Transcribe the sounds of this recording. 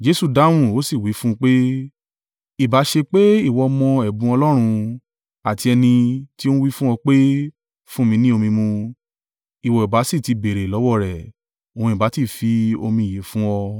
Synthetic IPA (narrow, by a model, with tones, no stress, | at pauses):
d͡ʒe˧˦su˦˨da˨˦w̃ũ˦˨o˨˦si˦˨wi˨˦fũ˦˧k͡pe˦ | i˦˨ba˨˦ʃe˧k͡pe˦i˦˨wɔ˧mɔ̃˧ɛ˨bũ˨˧ɔ˧lɔ˦ɾ̃ũ˧ | a˨ti˧ɛ˧nĩ˧ti˦o˦u˦wi˦fũ˦ɔ˧k͡pe˦ | fũ˦mĩ˧nĩ˦o˧mĩ˧mũ˧ | i˨wɔ˨i˨ba˨˦si˦˨ti˨˧be˨ɾe˨lɔ˨˦wɔ˦˨ɾɛ˨ | õ˨ũ˧˨i˨ba˨˦ti˦˨fi˧o˧mĩ˧˨je˨˦fũ˦wɔ˧